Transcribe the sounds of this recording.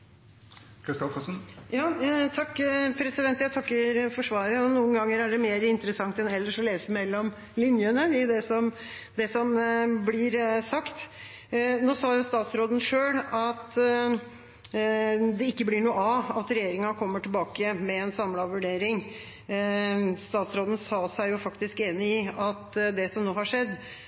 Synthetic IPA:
kʰɾɪst̪ɔkɔsn̩jɑːt̪ʰɑkːpʰɾɛsɪd̪ɛnt̪əjæɪt̪ʰɑkːəɾfɔʂʋɑːɾəɔnuːənɡɑŋːəɾæɖɛmeːɾɪnt̪əɾəsɑŋt̪ɛnɛlːəʂɔleːsəɛmɛlːɔm | lɪnjənəɪd̪ɛsɔm | d̪ɛsɔmblɪɾsɑkt̪ | noːsɑːjʊst̪ɑːt̪sɾoːd̪ən̩ʂøːlɑt̪ | d̪ɛɪkːəblɪɳuːɑɑt̪ɾɛjeːɾɪŋɑkʰɔmːəʈʰɪlbɑːkəmɛɛnsɑmːlɑʋʉɖeːɾɪŋ | st̪ɑːt̪sɾoːd̪ən̩sɑːsæɪjʊfɑkt̪ɪskeːnɪɪɑt̪d̪ɛsɔmnoːhɑʂɛd̪ː

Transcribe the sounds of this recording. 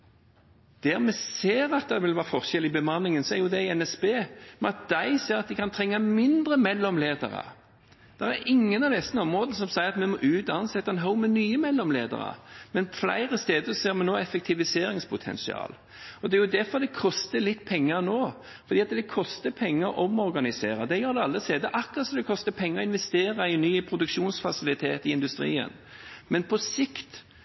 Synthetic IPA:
d̪̥æʁmɛseːʁɑt̪̚d̪ɛʋɪlʋæːfɔʁçɛlɪbəmɑnːɪŋənsɔæɾjʊd̪ɛɛnɛsbeːmɛnɑt̪̚d̪æɪseːɾɑt̪̚d̪ɪkʰɑnt̪ʰɾɛŋːɑmɪnd̪ɾəmɛlːɔmleːd̪ə̰ʁɑ̰ | d̪̥æʁæɾɪŋːənɑʋd̪ɛsənɔmʁoːd̪ənəs̬ɔmsæɪʁɑt̪mɛmɔʔʉːt̪ɑnsɛt̪ːɑɛnɦəʊmɛnyːəmɛlːɔmlḛːd̪ə̰ʁə̰mɛnflæ̰ɪʁəst̪eːd̪əsɔseːɾmɛnoːɛfɛk̚t̪ʰɪʋɪseːɾɪŋspʰʊt̪ʰɛ̰nsɪɑ̰ːl | ɔd̪ɛæjʊd̪æɾfɔʁd̪ɛkʰɔst̪əlɪt̪ːpʰɛŋːənoː | fɔd̪iːɑt̪d̪ɛkʰɔst̪əpʰɛŋːəɾʔɔmɔɾɡɑnɪseːɾɑd̪ɛjøːɾd̪ɛɑlːəseːd̪əʔɑkʁɑt̪sɔmd̪ɛkʰɔst̪əpʰɛŋːəɔɪnʋɛst̪eːʁɑɪnːyːəpʰɾʊd̪ʉkʃuːnsfɑsɪlɪt̪ʰḛːt̪ɪɪnd̪ʉst̪ɾḭːə̰n | mɛnpʰɔsɪkt̪

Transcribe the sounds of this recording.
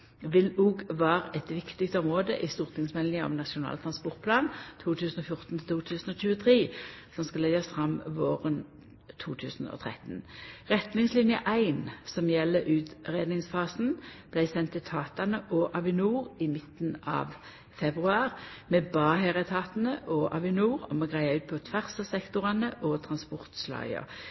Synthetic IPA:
ʋɪluːɡʋæːʁəʔɛt̪ʋɪkt̪ɪkst̪əɔmʁoːd̪ə̰ʔɪst̪uːʁt̪ʰɪŋsmɛlnɪəɔ̰mnɑʃʊnɑ̰ːlt̪ʰɾɑnspɔʁt̪̚pʰlɑːnt̪ʰuːt̪ʰʉːsn̩ɔfjʊʁt̪n̩t̪ʰɪlt̪uːt̪ʰʉːsn̩ɔc͡çʉːət̪ʰʁiːsɔmskɑlɛɡɑsfʁɑmʋoːʁən | t̪ʰuːt̪ʰʉːsn̩ɔ̰t̪ʰʁɛ̰t̪n̩ʁɛt̪nɪŋslɪnjəʔæɪnsɔmjɛlːəʔʉːt̪ʁeːd̪nɪŋsfɑːsn̩b̥læɪsɛnt̪ʰːɪt̪ʰɑːt̪ɑnəʔɔʔɑʋɪnuːʁɪmɪt̪nɑ̰ʋ | fɛbʁʉɑːʁmɛbɑːɦeːʁət̪ʰɑːt̪n̩əʔɔʔɑ̰ʋɪnuːʁɔ̰mɛɡʁæɪɑʉːt̪̚pʰɔt̪ʰʋæʁsɑsɛkt̪ʊʁɑnəʔɔt̪ʰɾɑnspɔʁt̪slɑ̰ɪə̰

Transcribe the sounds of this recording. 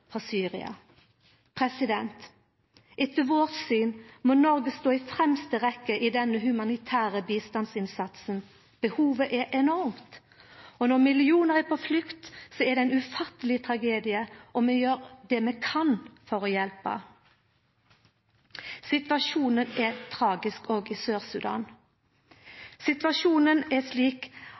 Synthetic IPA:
fʁɑsyːʁɪ̰ɑ̰ | pʰʁɛsɪd̪ɛnt̪ | ʔɪt̪ːəʋoːt̪syːnmɔnɔɾɡəst̪oːɪfɾɛmst̪əʁɛkːəʔid̪ɛnːəɦʉmɑnɪt̪ʰæːʁəbiːst̪ɑnsɪnsɑt̪sən | b̥əhuːʋəʔɛʔɛnɔɾmt̪ | ɔnɔʁmɪlɪuːnəʁɛpʰɔflʏkt̪sɔɛd̪ɛæɪnʉfɑt̪ːəlɪt̪ʰɾɑɡeːd̪ɪəʔɔmɛjøːɾd̪ɛmɛkʰɑnfɔɾɔjɛlpə̰ | sɪt̪ʋɑʂuːnənɛt̪ʰɾɑːɡɪskɔɡɪsøːʁsʉd̪ɑ̰ːn | sɪt̪ʋɑʂuːnənɛʂliːk

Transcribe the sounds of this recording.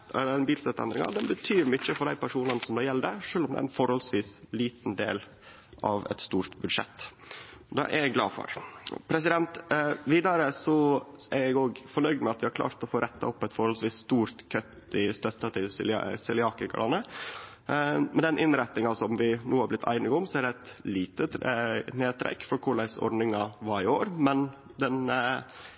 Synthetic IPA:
lɛnbiːlsɛt̪ːɛnd̪ɾɪŋɑ̰d̪ɛnbət̪ʰyːɾmʏçəfɔɖ̪æɪpʰæʂuːnɑnəsɔmd̪ɑːjɛləd̪ɛʂøːlɔmd̪ɛ̰æ̰ːɾɛnfɔɾhɔlsʋiːsliːt̪n̩d̪ḛːl | ʔɑ̰ʋɛ̰t̪st̪uːɾt̪bʉd̪ʂɛ̰t̪ː | d̪ɑ̰ːʔæ̰ɾjɛɡɡlɑ̰ːfɔ̰ɾpʰɾɛs̬ɪd̪ɛnt̪ʋiːd̪ɑɾəsɔæɾjæɡoːɡfɔɳœʏd̪mɛɑt̪ʋɪhɑɾklɑ̰ːɾt̪ɔfoːɾʔɛt̪ʰːɑ̰ɔpːɛt̪fɔɾhɔlsʋiːsːt̪uːɾt̪kʰœt̪ɪst̪œt̪ːɑt̪ʰɪlsl̰sɪlɪɑːkəkʰɑ̰ɾɑ̰nːə | mɛnd̪ɛnʔɪnɾæt̪nɪŋɑsɔmʋɪnuːhɑɾblɪt̪ʰːæ̰ɪnɪɡɔmsɔæɾɖ̪ɛɛt̪liːt̪əneːt̪ʰɾɛ̰kːfɔɾkʰʊɭæɪsɔ̰ɾnɪŋɑʋɑɾɪoːɾmɛn | d̪ɛn

